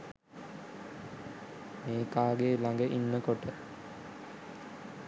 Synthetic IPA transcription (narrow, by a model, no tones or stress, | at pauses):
meːkaːɡeːlaŋɡəʔinːəkoʈə